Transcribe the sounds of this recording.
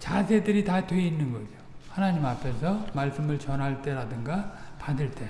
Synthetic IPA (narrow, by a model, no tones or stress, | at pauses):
t͡ɕasʰe̞dɯɾitadwe̞inːɯnɡʌd͡ʑohanaɲimapʰe̞sʰʌmaɭs͈ɯmɯɭt͡ɕʌnɦaɭt͈e̞ɾadɯŋɡapadɯɭt͈e̞